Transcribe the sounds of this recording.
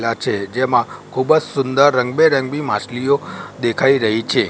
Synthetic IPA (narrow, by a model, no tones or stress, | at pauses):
lat͡ʃʰed͡ʒemãkʰubəd͡ʒsʊnd̪əɾːəŋɡbeɾəŋɡbimaslijod̪ekʰaiɾəɦit͡ʃʰe